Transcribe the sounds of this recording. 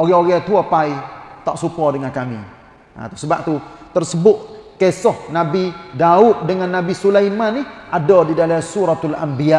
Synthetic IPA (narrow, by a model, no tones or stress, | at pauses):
oɣɛoɣɛt̪uapait̪aʔsupɔdəŋankamḭ | a̰t̪u̥səbaʔ̚t̪ut̪ərsəbʊʔ̪̚kesɔhnabidaʊt̪̚dəŋanːabisulajmaniadɔdidalasuɾat̪alambia